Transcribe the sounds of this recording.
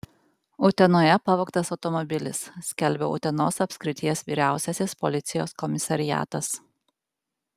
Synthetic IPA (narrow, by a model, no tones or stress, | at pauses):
ʊt̪ʲɛnoːjɛpɑʋoːkt̪ɐsɒʊt̪ɔmɔbʲɪlʲɪ̰ssʲkʲɛlʲˑbʲɛ̰ʊ̰t̪ʲɛnoːsɐpʲsʲkɾʲɪt̪ʲijɛsʋʲiːɾʲæˑʊsʲɛsʲɪspɔlʲɪt̪sʲɪjoːskɔmʲɪsɐɾʲɪjæ̰ːt̪ɐs